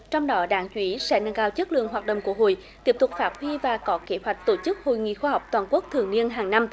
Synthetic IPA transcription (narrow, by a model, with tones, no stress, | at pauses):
t͡ɕɔ˧wŋ͡mɗɔ˨˦ɗaː˨˦ŋt͡ɕwi˨˦sɛ̰˧˥na˨˧˩ŋkaː˧˩wt͡ɕɨ˦˥t̚lɨ̰˧˨əŋɦwaː˨˩t̚ɗə̰˧˨wŋ͡mku˧˩əɦo̰˧˩˨j | t̪i˦˥əp̚t̪ʊ˨˩k͡p̚faː˦˥p̚hwi˧vaː˨˩kɔ˨˦ke˨˦hwa˨˩jk̟̚t̪o˧˩t͡ɕɨ˦˥k̚ho̰˧˨jŋḭ˧˨xwaː˧ɦɔ˨˩wk͡p̚t̪waː˨˩nku˦˥ək̚t̪ʰɨ˨˩əŋni˧ənɦaː˨˩ŋna˧m